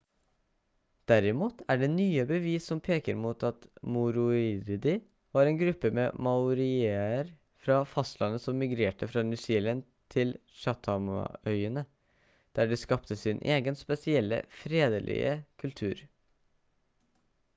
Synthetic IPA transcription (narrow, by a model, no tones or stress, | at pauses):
d̪̥æɾɪmuːt̪ʰæɖɛnyːəbəʋiːsːɔmpʰeːkəɾmuːt̪ɑt̪mʊɾʊɪɾd̪ɪ | ʋɑːɾɛːnɡɾʉpːəmɛmɑʊɾɪeːəɾ | fɾɑfɑst̪lɑnːəsɔmːɪɡɾeːʈəfɾɑnʉsɪːlən | t̪ʰɪl | ʃɑt̪ʰɑmɑ̰œʏənə | d̪̥æɖɛskɑpt̪əsɪnʔeːɡənspɛsɪɛlːə̰fɾeːd̪əlʔɪ̰ə̰kʰʉlt̪ʰʉːɾ